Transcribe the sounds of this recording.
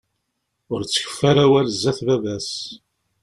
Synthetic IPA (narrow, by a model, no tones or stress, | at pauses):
ʊɾt͡sːə̥çə̥fːæɾæwælzːæθvævæs